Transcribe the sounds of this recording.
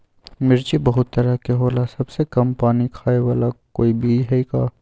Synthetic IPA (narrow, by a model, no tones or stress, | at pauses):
mɪɾt͡ʃibɐɦʊt̪ːɐɾəɦkeɦoːlasɐbsekɐmpaːnikʰaːewaːlakoːibʱiɦɛikaː